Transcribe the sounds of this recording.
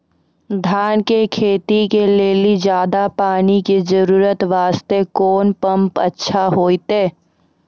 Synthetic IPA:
d̪ʱaːnkekʰeːt̪ikeleːlid͡ʒjaːd̪apaːnikid͡ʒəɾuːɾət̪ʋaːst̪ekoːnpə̃mpə̰tːʃʰaɦoːit̪eː

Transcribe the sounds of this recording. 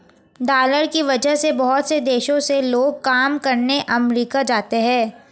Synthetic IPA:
ɖaːləɾkiʋɐd͡ʒəɦsebɐɦʊt̪sed̪eːʃõseloːɡ̚kaːmkɐɾneʔɐmɾiːkad͡ʒaːt̪eɦɛ̃ː

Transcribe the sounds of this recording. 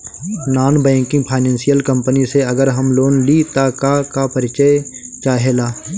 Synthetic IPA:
naːnbɛ̃ːŋkɪ̃ŋɡ̚pʰaːɪnɛ̃ːnsijəlkə̃mpəniseɐɡəɾɦəmloːnlit̪akakapəɾɪt͡ʃəjt͡ʃaːɦelaː

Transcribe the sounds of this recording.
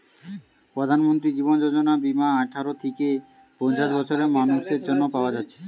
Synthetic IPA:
pɾod̪ʱanmont̪ɾid͡ʑibond͡ʑod͡ʑonabimaaʈʰaɾot̪ʰeke | pɔnt͡ɕaʃbɔt͡ɕʰoɾemanuʃeɾd͡ʑonːopaoad͡ʑatːɕʰe̥

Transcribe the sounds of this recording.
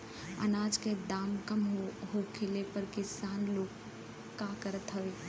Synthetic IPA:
ə̰naːd͡ʒked̪aːmkəmɦɦokʰelepəɾkɪsaːnloːɡ | kakəɾət̪ɦəe

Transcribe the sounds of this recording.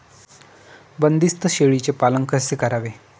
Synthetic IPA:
bənd̪ist̪ʰəɕeɭit͡ɕepaləŋkəsekəɾaʋe

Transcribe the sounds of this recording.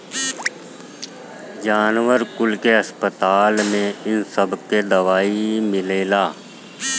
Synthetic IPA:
d͡ʒaːnwəɾkʊlkeɐspət̪aːlmẽɪnsəbʱked̪ɐʋaːimɪleːlaː

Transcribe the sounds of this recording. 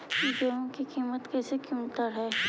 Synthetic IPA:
kid͡ʒoːɦõkikiːmət̪kɛːsekumt̪əɾɦɛː

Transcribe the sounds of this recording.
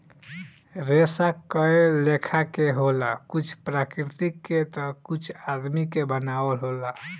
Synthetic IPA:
ɾesakːəelekʰakeɦolakut͡ʃʰpɾakɾit̪ikːet̪əkut͡ʃʰad̪mikebənabəlɦola

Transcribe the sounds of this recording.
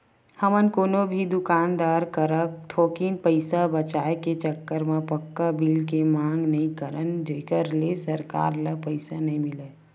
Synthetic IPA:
həmənkoːnobʱid̪ʊkaːnd̪aːɾkəɾək̚t̪ʰoːkinpəɪsabət͡ʃaːeket͡ʃəkːəɾmẽpəkːabiːlkemãːŋɡnəɦĩkəɾənd͡ʒeːkəɾlesəɾka̰ːɾləpəɪsanəɦĩmɪle

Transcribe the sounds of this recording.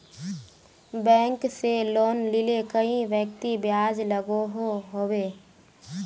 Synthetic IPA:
bɛ̃ːŋkseloːnlɪlekəĩʋjək̚t̪ibjaːd͡ʒləɡoɦoɦoːweː

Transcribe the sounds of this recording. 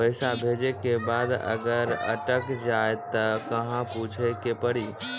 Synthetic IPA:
əɪsabʱeːd͡ʒekebaːd̪ɐ̰ɡəɾɐ̰ʈəkd͡ʒaːet̪ɐkɐɦãput͡ʃʰekepəɽiː

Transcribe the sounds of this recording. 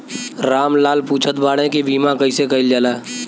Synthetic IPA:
ɾaːmlaːlpuːt͡ʃʰət̪baːɽẽkibiːmãkɐisekɐɪld͡ʒaːlaː

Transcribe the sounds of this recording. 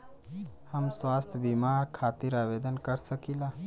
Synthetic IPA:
həmswaːst̪ʰbimaɾkʰat̪iɾabed̪ənkəɾsəkila

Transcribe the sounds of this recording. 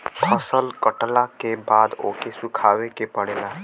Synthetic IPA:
pʰəsəlkəʈlakebaːd̪o̰ːkesʊkʰaːʋekepəɽeːlaː

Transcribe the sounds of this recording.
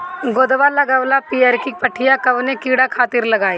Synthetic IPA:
ɡoːd̪ʋalaɡɐʋlapiːeːɾkipɐʈʰijakɐbnekiːɽakʰaːt̪ɪɾlɐɡaːiː

